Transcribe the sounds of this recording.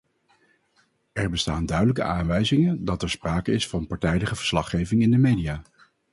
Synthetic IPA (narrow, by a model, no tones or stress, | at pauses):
ɛɹbəstaːndœɥdələkə̰ʔaːnʋɛjzɪŋəndɑtɛɹspraːkəɪsfɑnpɑɹtɛjdəχəvəɹslɑχejvɪŋɪndəmejdijaː